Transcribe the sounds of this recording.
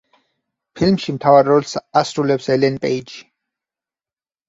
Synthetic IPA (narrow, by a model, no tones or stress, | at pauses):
pʰilmʃimt̪ʰavaɾɾɔlˠsasɾulɛpsɛlɛnpʼɛidʃi̥